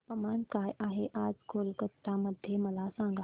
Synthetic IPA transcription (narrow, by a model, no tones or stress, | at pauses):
pɐmaːnkaːjʔaːɦeʔaːd͡ʒkʰoːlkət̪ːamɐd̪ʱjemɐlaːsãːŋɡa